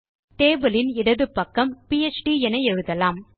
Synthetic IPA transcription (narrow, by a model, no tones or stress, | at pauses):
t̪eːbɐlɪnɪɽɐðɯpːɐkːɐmpiɛt͡ʃʈiɛnɐɛɻɯðɐlaːm